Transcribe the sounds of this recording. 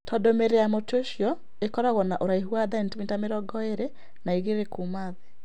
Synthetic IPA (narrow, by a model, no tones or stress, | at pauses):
tʰɔdomeɾejamotoʃjɔ | ekɔɾaɣɔnaʔoɾaiɦwaðaɛntmintameɾɔɡɔeɾe | naiɣeɾekumaðe